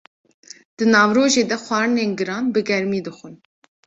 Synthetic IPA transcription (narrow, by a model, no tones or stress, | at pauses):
d̪̥ɨnɑːvɾoːʒeːd̪ɛxʷɑːɾɨneːnɡɨɾɑːnbɨɡɛɾmiːd̪ɨxʷɨn